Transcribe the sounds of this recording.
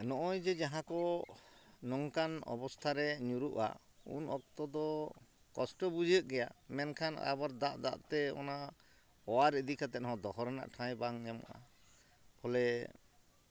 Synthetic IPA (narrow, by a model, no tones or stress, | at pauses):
nɔʔɔjd͡ʒɛd͡ʒaɦãkɔ | nɔŋkanɔ̰bɔst̪ʰaɾɛɲuɾuʔa̰ | ṵnɔk̚t̪ɔd̪ɔ | kɔsʈɔbud͡ʒəʔ̚ɡɛjamɛnkʰana̰baɾd̪aʔd̪a̰ʔt̪ɛɔ̰na | ɔwaɾəd̪ikʰat̪ɛɦɔ̃d̪ɔɦɔɾɛna̰ʔʈʰãjbaŋɲɛmɔ̰ʔa̰ | pʰɔlɛ